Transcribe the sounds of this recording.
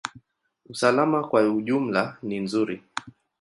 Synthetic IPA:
usalamakwauʄum̩laninzuɾi

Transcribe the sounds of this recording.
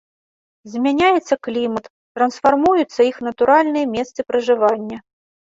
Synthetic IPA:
zʲmʲanʲajɛt̪sːɐklʲimɐt̪ | t̪ɾɐnsfarmujut̪sːɐixnɐt̪uɾʔalʲnɨjɐmʲɛst̪sɨpɾɐʐɨvanʲːɐ

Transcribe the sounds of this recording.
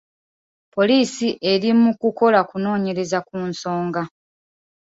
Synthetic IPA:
po̞liːsiʔe̞ɾimukuko̞lakuno̞ːɲe̞ɾe̞zakuːnso̞ːŋɡa

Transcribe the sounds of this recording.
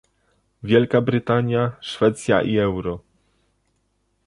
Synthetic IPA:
vʲjɛlkabɾɘt̪aɲjaʂfɛt̪sʲja̰ʔiɛwɾɔ

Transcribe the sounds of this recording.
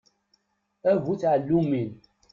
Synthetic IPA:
ævuθʕəlːumin

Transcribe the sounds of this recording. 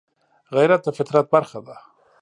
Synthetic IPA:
ɣajɾat̪̚əfɪt̪ɾat̪̚baɾxad̪a

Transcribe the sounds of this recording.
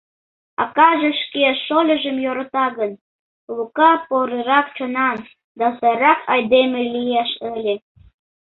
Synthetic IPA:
ɑ̰kɑʒeʃkeʃolʲəʒəmjoɾət̪ɑɣən | lukɑpoɾəɾɑk̚t͡ɕonɑn | d̪ɑsɑɾɑkʰɑjd̪emelijæʃəlʲe

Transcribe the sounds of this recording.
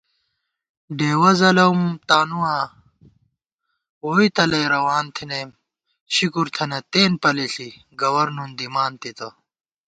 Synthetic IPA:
ɖeːwɐzɐlɐwmt̪aːnuwãː | woːit̪ɐlɐjɾɐwaːnt̪ʰineːm | ɕikuɾt̪ʰɐnɐt̪eːnpɐleɬi | ɡɐwɐɾnund̪imaːnt̪it̪ɐ

